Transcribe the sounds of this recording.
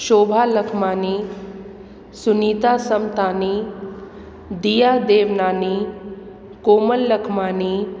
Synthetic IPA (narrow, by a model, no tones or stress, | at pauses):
ʃoːbʱaːlɐkʰmaːni | suniːt̪aːsɐmt̪aːni | d̪ijaːd̪eːʋnaːni | koːməlːɐkʰmaːni